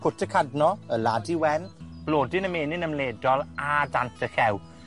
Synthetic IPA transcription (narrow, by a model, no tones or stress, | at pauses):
kʰʊtʰəkʰadnɔəladiwɛnb̥loːdɪnəmeːnɪnəmleːdɔlˠadantʰəxɛw